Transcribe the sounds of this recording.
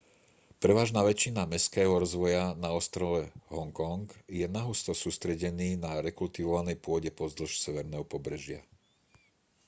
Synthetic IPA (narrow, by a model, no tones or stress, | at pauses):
pɾɛʋaːʒnaːʋɛt͡ʃinamɛskɛːɦɔɾɔzʋɔjanaɔst̪ɾɔlɛɦɔŋkɔŋɡjɛnaɦust̪ɔsuːst̪ɾɛɟɛniːnaɾɛkult̪iʋɔʋanɛjpʊɔɟɛpɔzd̪l̩ʃsɛʋɛɾnɛːɦɔpɔbɾɛʒɪa